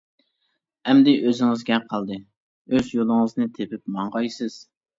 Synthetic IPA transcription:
ɛmd̪ɪʔøzɪŋɪzɡʲɛqʰːɑlˠd̪ɨ | øzjolˠɨŋɨznɨt̪ʰepɪp̚mɑɴʁɑjsɨz̥

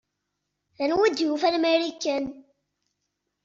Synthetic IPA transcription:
ðænwid̪jufælmeɾikːæn

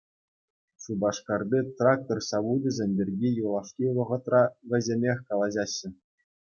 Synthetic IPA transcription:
subɑʂkɑrbʲit̪rɑk̚t̪orsɑbudʲɘzʲenʲbʲerʲɡʲijulˠɑʂkʲiʋɤ̆ʁɤ̆t̪rɑʋʲɘ̆zʲemʲexʲkɑlˠɑʑɑɕːɘ̆

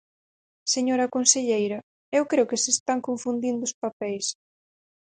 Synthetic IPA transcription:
seɲoɾɐkonseʎejɾɐ | ewkɾewkɪsest̪aŋkoɱfund̪ind̪ʊːspapɛjs

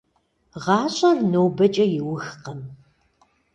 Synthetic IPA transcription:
ʁɑːɕʼɐrnoːbɐt͡ʃʼɐjɪwʊxqɐm

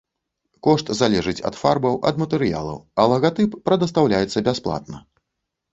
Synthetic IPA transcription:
kɔʂt̪zalʲɛʐɨt͡sʲɐ̰t̪farbɐwʔɐ̰d̪mɐt̪ɛɾɨja̰lˠɐ̰wɐlˠɐɣat̪ɨpːɾɐd̪ɐst̪awlʲajɛt̪sːɐbʲɛsplˠa̰t̪̚nɐ

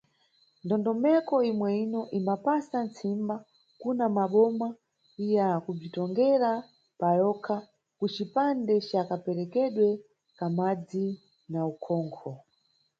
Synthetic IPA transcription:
ndɔndɔmɛkɔimwɛinɔʔimapasant͡simba | kunamaɓɔma | ijakub͡ʐitɔŋɡɛɾa | pajɔkʰa | kut͡ʃipandɛt͡ʃakapɛɾɛkɛɗwɛ | kamad͡zi | naukʰɔːŋkʰɔ

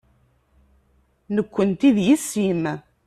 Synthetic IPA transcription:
nəkʷːənt̪iðjisːim

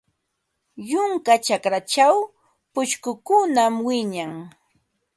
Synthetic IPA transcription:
jʊŋkat͡ʃakɾat͡ʃaw | pʊʃkʊkʊnamwɪɲaŋ

